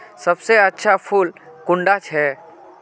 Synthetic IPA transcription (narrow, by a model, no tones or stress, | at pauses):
sɐbseətːʃʰapʰulkʊ̃ɳɖat͡ʃʰɛː